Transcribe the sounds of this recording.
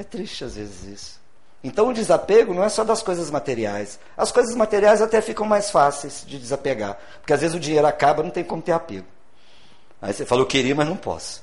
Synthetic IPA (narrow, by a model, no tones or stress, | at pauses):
ɛt̪ɾiʃt͡ʃɪazvezɪzisʊ̥ | ẽnt̪ɐ̃w̃ʊd͡ʒɪzapeɡʊnɐ̃w̃ɛsɔd̪ɐskojzɐzmat̪eɾiajs | ɐskojzɐzmat̪eɾiajzat̪ɛfikɐ̃w̃majsfasejz̥d͡ʒɪd͡ʒɪzapeɡa̰ɾ | pʊɾkeazvezɪzʊd͡ʒĩɲejɾʊakabɐnɐ̃w̃t̪ẽj̃kõmʊt̪eɾapeɡʊ | a̰isefalokeɾiɐmɐznɐ̃w̃pɔ̰sʊ̥